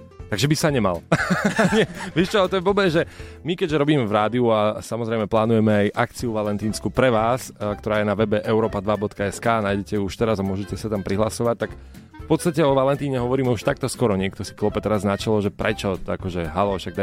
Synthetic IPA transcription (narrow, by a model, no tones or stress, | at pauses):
t̪aɡʒɛbisaɲɛma̰l | ɲɪɛʋiʃt͡ʃɔt̪ɔjɛbɔbɛʒɛmikɛɟʒɛɾɔbiːmɛvɾaːd̪iuasamɔzɾɛjmɛplaːnujɛmɛajʔakt͡siuʋalɛnt̪iːnskuːpɾɛʋaːskt̪ɔɾaːjɛnaʋɛbɛʔɛʊɾɔːpad̪ʋabɔt̪kaɛskaːnaːjɟɛcɛjuuʃt̪ɛɾazamʊɔʒɛcɛsat̪ampɾiɦlasɔʋac̚t̪ak | fpɔt̪st̪acɛɔʋalɛnt̪iːɲɛɦɔʋɔɾiːmɛuʃt̪ak̚t̪ɔskɔɾɔɲɪɛkt̪ɔsi̥klɔpɛt̪ɛɾaznat͡ʃalɔʒɛpɾɛt͡ʃɔa̰kɔʒɛɦalɔʃaɡ̚d̪a